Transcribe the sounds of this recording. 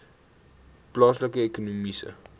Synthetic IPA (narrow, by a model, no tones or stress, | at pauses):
plɑsləkəekonumisə̰